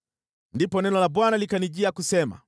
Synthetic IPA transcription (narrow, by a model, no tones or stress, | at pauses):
ndipɔnɛnɔlaɓwanalikaniʄiakusɛma̰